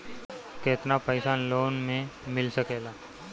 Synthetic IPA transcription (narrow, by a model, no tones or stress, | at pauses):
keːt̪napəɪsaːnloːnmẽmɪlsəkeːlaː